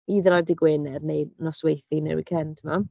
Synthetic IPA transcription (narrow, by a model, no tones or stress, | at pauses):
iːðəɾadɪɡweːnɛrnejnɔswejθinɛ̰wḭkʰɛntʰəma